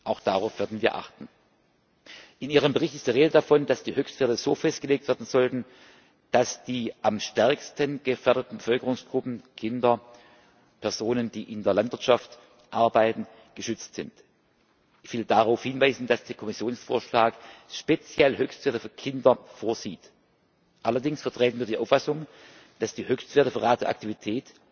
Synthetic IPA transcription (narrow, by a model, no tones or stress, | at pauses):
ʔaʊxd̥aʁaʊfv̥eːɐdn̩viːɐʔa̰χtn̩ | ʔɪniːʁəmbəʁ̞ɪçtɪstd̥iːʁ̞eːdədafɔnd̥asd̥iːhøːçstv̥ɛɐtəzoːfɛst̚ɡ̥əleːk̚tv̥eɐdn̩zɔltn̩ | d̥asd̥iːʔamʃtɛɐkstənɡ̥əfɛɐɾətn̩bəfœlkəʁʊŋsɡ̥ʁʊpn̩kʰɪndɐ | pʰɛɐzoːnənd̥iːʔɪndeːɐlantv̥ɪɐtʃaft | ʔaɐbaɪtn̩ | ɡ̥əʃʏt͡stz̥ɪnt | ʔɪçv̥ɪldaʁaʊfhɪnvaɪzn̩dasd̥eːɐkʰɔmɪsjoːnsfo̰ːɐʃlaːkʃpet͡sjɛlhøːçstv̥eːɐtəfyːɐkʰɪndɐfoːɐziːt | ʔalɐdɪŋsfɛɐtʁ̥eːtn̩viːɐdiːʔaʊfasʊŋ | d̥asd̥iːhøːçstveːɐtəfyːɐʁaːt̚deɐʔa̰k̚tivitʰɛːt